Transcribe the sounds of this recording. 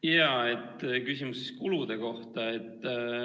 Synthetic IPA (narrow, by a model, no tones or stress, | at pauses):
jɑːet̪ːkysimuseskulud̪̥e̞ko̞ht̪ɑet̪ː